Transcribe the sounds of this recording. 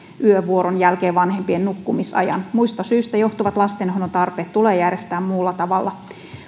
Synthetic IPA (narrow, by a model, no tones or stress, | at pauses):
ʔyøʋuoɾonjælkeːʋɑnhempiennukːumisɑ̰jɑ̰nmuist̪ɑsyːst̪æjo̞ht̪uʋɑt̪lɑst̪enhɦonot̪ɑrpeːt̪tuleːjærest̪æːmmuːlːɑt̪ɑʋɑlːɑ